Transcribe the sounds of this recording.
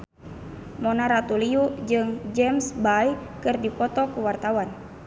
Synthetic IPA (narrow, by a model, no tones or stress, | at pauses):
mɔnaɾat̪uliud͡ʒɨŋd͡ʒɛmsbajkɨrdipɔt̪ɔkuwart̪awan